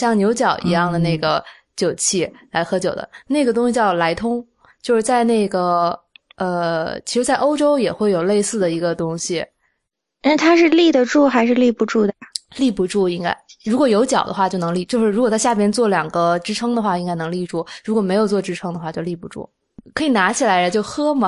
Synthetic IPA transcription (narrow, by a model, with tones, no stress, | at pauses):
ɕjɑ˥˩ŋnjo˧˥ʊt͡ɕjɑ˨˩ʊʔḭ˧˥jɑ˥˩ŋd̪ə˩ne˥˩ɪɡə̰˩ | t͡ɕjo˨˩ʊt͡ɕʰi˥˩la˧˥ɪxɤ˧˥t͡ɕjo˨˩d̪ə̰˦ne˥˩ɪɡə˩t̪̬ʊ˥ŋɕi˧˩t͡ɕjɑ˥˩ʊla˧˥ɪt̪ʰʊ˥ŋ | t͡ɕjo˥˧ʊʂɻ̩˥˧˩t͡sa˥˧ɪne˥˩ɪɡə˩ | ə˧t͡ɕʰi˧˥ʂɻ̩˧˥t͡sa˥˩ɪʔo˥ʊʈ͡ʂo˥ʊjɛ˨˩xwe˥˩ɪjo˨˩ʊle˥˧ɪsɹ̩˥˩d̪ə˩i˧˥ɡə˧t̪ʊ˥ŋɕi˨˩ | na˥˩t̪ʰa˥ʂɻ̩˥˧li˥˩d̪ə˩ʈ͡ʂu˥˩xa˧˥ɪʂɻ̩˥˧li˥˩pu˧˥ʈ͡ʂu˥˩d̪ə˩li˥˩pu˧˥ʈ͡ʂu˥˩i˥ŋka̰˥ɪɻu˧˥kwɔ˨˩jo˧˥ʊt͡ɕjɑ˨˩ʊd̪ə˦xwa˥˧t͡ɕo˥˩ʊnɤ˧˥ŋli˥˩t͡ɕjo˥˧ʊʂɻ̩˥˩u˧˥kɔ˨˩a˥˧ɕja˥˩p̬jɛ˥nt͡swɔ˥˩ljɑ˨˩ŋɡə˦ʈ͡ʂɻ̩˥ʈ͡ʂʰɤ˥ŋd̪ə˨xwa˥˩i˥ŋka˥ɪnɤ˧˥ŋli˥˧ʈ͡ʂu˥˩ɻu˧˥kwɔ˨˩me˧˥ɪjo˨˩ʊt͡swɔ˥˧˩ʈ͡ʂɻ̩˥ʈ͡ʂʰɤ˥ŋd̪ə˧xwa˥˧˩t͡ɕjo˥˧ʊli˥˩pu˧˥ʈ͡ʂṵ˥˩ | kʰɤ˧˥i˨˩na˧˥t͡ɕʰi˨˩la˧˥ɪd̪ə˧t͡ɕjo˥˩ʊxɤ˥mɐ˨˩